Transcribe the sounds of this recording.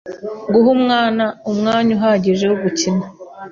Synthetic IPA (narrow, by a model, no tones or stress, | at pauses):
ɡuɦumŋaːnaumŋaːɲuɦaːɟiʒe̞wuβucina